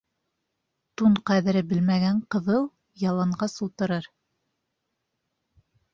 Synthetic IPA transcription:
t̪uɴqæðɘ̆ɾɘbɘlmæɡæɴqɤ̆ðɤlˠ | jɑlˠɑɴɢɑsulˠt̪ɤ̆ɾɤɾ

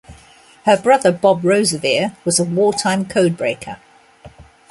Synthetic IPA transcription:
həbɹʌðəbɒbɹəʊzəvɪəwɒzəwɔːtʰãɪ̃mkʰəʊd̚bɹeɪkʰə̰

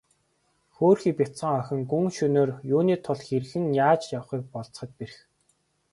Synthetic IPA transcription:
xoːrxiːpʲit̪sə̆ŋœxʲɪ̆ŋɡuŋʃɵnoːrjuːniːt̪ʰʊɮxeɾ̆ɣɘ̆ŋjaːt͡ɕjaw̆χiːk̚pɔɮt͡s̆χə̆t̪̚peɾɘ̆x

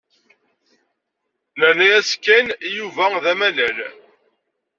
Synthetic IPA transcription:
nænæjæskːænjuvæðæmælæl

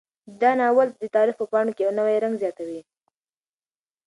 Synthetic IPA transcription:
d̪ɑnɑwald̪ət̪ɑɾixpəpɑɳokejawnəwajɾaŋɡzjɑt̪awi

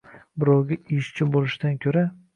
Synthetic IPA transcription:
bɪɾɒwɡʲɪʔɪʃt͡ʃʰɪbolɪʃɪd̪ankʲʰɵɾa

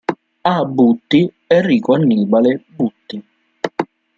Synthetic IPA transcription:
abːut̪ːi | ɛrːiːkwanːiːbalebut̪ːi

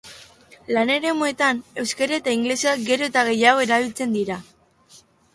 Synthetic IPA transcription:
lane̞ɾe̞mue̞t̪ane̞wskaɾaet̪aiŋɡle̞seak̚ɡe̞ɾo̞e̞t̪aɣ̞e̞jaɣo̞e̞ɾaβilt͡se̞nd̪iɾa

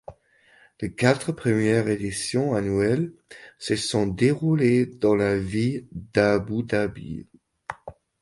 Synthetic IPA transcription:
lekat̪χəpχəmjɛʁed̪isjɔ̃anuɛlsəsɔ̃d̪eʁuled̪ɑ̃lavid̪abud̪abḭ

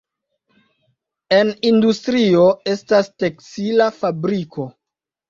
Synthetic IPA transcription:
e̞nindustɾio̞e̞stasteksilafabɾiko̞

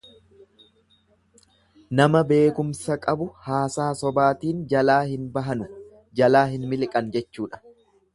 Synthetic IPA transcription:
nɐmɐbe̞ːkʊmsɐkʼɐbʊhaːsaːsɔbaːt̪iːnd͡ʒɐlaːhɪnbɐɦɐnʊ | d͡ʒɐlaːɦɪnmɪlkʼɐnd͡ʒɛt͡ʃːuːᶑɐ̥

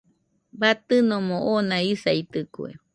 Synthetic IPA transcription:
bat̪ɨnõmõʔonãisait̪ɨkṵḛ

